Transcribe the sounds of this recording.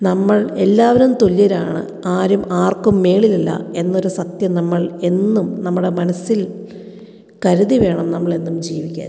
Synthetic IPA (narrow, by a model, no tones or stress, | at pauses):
nɐmːɐɭe̞lːaːʋɐɾumt̪o̞lijɐɾaːɳɨ̰ | aːɾumaːrkːumːe̞ːɭililːɐ̰e̞nːo̞ɾusɐt̪jɐnɐmːɐɭe̞nːumnɐmːuɽe̞mɐnɐsːil | kɐɾuðiʋe̞ːɳɐmnɐmːɐɭe̞nːumd͡ʑiːʋikʲːa̰ːn